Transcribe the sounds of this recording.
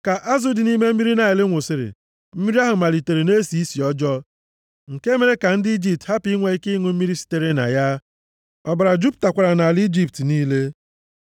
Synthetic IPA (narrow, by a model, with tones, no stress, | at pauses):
ka˨ʔa˦zu˦dɪ˨ni˦me˦m̩˦mi˦ɾi˦na˨ɪ˨lɪ˦ŋʷʊ˨sɪ˦ɾɪ̰˨ | m̩˦mi˦ɾi˦a˦ɦʊ˨ma˨li˨te˨ɾe˨ne˦si˨˦i˦si˨ɔ˦d͡ʒɔ˦ | ŋ̩˨ke˦me˨ɾe˦ka˨n̩˦dɪ˦i˦d͡ʒi˨p̚tha˦pi˦ŋʷe˨˦i˦kɪ˦ŋu˨m̩˦mi˦ɾi˦si̥˦te˦ɾi˦na̰˨ja˦ | ɔ˨ba˨ɾa˨d͡ʒu˦p̚ta˨kʷa˨ɾa˨na˨a˨li˦d͡ʒi˦ptniː˦le˦